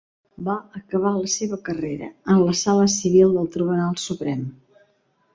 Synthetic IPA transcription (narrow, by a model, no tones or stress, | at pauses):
baəkəβ̞aləseβəkəreɾə̰ənləsaləsiβ̞ilˠd̪əlˠt̪ɾiβunalˠsupɾɛm